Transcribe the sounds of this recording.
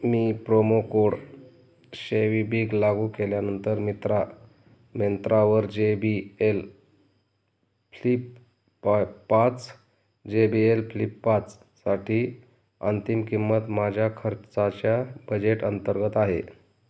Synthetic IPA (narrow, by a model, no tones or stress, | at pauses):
miːpɾomokoɽ | ɕeʋibiɡlaɡukeljanənt̪əɾmit̪ɾa | mjent̪ɾaʋəɾd͡ʑebiel | flip | pat͡s | d͡ʑebielpʰlipːat͡s | saʈʰiː | ənt̪imkimːət̪mad͡ʑʱjakʰəɾt͡sat͡ɕjabəd͡ʑeʈənt̪əɾɡət̪aɦḛ